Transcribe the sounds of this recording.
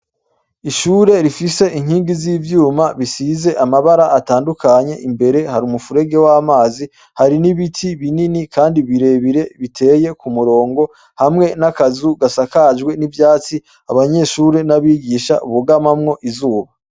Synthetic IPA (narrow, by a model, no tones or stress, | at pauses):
iʃuːɾe̞ɾifise̞ʔiŋhiːŋɡiziːvjuːmaβisize̞ʔamaβaɾaʔːtaːndukaɲe̞̰ʔimbe̞ɾe̞haɾumufuɾe̞ɡe̞wamaːzi | haɾiniβitʰiβininikaːndiβiɾe̞βiɾe̞βitʰe̞ːje̞kumuɾo̞ːŋɡo̞ | hamŋe̞nakazuɡasakad͡ʒɡwe̞nivjaːt͡si | aβaɲe̞ʃuːɾe̞naβiːɡiːʃa̰ʔuβuɡamamŋo̞ʔizuːβa